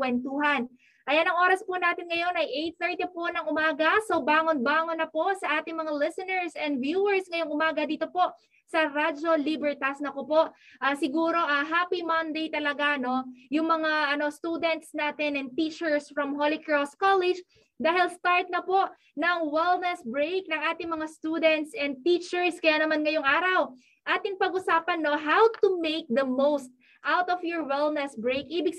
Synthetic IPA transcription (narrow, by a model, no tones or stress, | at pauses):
kwɛnt̪uɦɐn | ʔɐjanɐŋʔo̞ːɾɐspʊnaːt̪ɪnŋɐjo̞nɐjʔejt̪̚θɛɹt̪iponɐŋʔʊmaːɡɐsobaːŋonbaːŋonːɐpo̞ʔsɐʔaːt̪ɪŋmɐŋalɪsɛnɛɹsɛnd̪vjuɛɹsŋɐjoŋʔʊmaːɡɐd̪iːt̪o̞po̞ʔ | sɐɾad͡ʒo̞libɛɹt̪ɐsnɐkopo̞ʔʔɐsɪɡuːɾo̞ʔɐɦaːpimɐnd̪ejt̪ɐlɐɡano̞jʊŋmɐŋaʔɐno̞st̪uːd̪ɛnt̪snaːt̪ɛnɛn̚t̪iːt͡ʃɛɹsfɹɐmɦolɪkɹost̪̚kalɛd͡ʒ | d̪aːhɪlst̪aɹt̪̚nɐpo̞ʔ | nɐŋwɛlnɛsbɹejk̚nɐŋʔaːt̪ɪŋmɐŋast̪uːd̪ɛnt̪sɛnd̪̚t̪it͡ʃɛɹskɐjaːnɐmanŋɐjʊŋʔaːɾɐw | ʔaːt̪ɪŋpɐɡʔʊsaːpɐnːo̞ɦawt̪ʊmejk̚d̪ɐmowst̪̚ | ʔawt̪ɔfjɔɹwɛlˠnɛsbɹejkʔiːbɪɡ